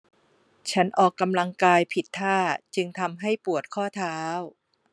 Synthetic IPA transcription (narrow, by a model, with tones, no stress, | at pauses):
t͡ɕʰa˦˥nʔɔː˨˩kːa˧mla˧ŋkaː˧jpʰi˨˩t̪ʰːaː˥˩t͡ɕɯ˧ŋt̪ʰa˧mɦa˥˩jpu˨˩ət̪̚kʰɔː˥˩t̪ʰaː˦˥w